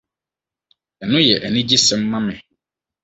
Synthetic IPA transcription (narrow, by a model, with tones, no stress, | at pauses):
ɛ˨nʊ̃˦jɛ˨ʔɛ˨nɪ̃˦d͡ʑi˦sɛ̃˦m̩˦mã˦mɪ̃˨